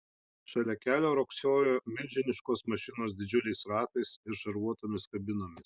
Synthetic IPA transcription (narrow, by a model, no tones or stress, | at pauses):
ʃɐlʲɛkʲæːlʲoːɾɔksʲoːjoːmʲɪlʲd͡ʒʲɪnʲɪʃkoːsmɐʃʲɪnoːs̬d̪ʲɪd͡ʒʲʊlʲɛɪsɾɑːt̪ɐɪsɪɾʃɐɾʋuɔt̪oːmʲɪskɐbʲɪnoːmʲɪs